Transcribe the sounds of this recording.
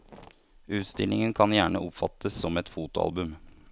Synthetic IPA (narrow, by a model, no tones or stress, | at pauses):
ʉːt̪st̪ɪlɪŋənkʰɑnjæːɳəʔʊpfɑt̪ʰəsːɔmɛt̪fuːt̪ʊɑ̰lbʉm